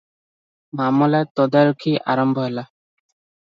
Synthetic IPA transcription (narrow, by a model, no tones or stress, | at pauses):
mamɔlat̪ɔd̪aɾukʰiʔa̰ɾɔmbʱɔɦela